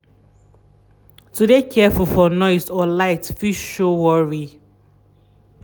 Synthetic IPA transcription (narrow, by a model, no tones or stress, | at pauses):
tudekʰɛfulˠfɔnɔɪsɔlaɪtfiʃʃowɔɹi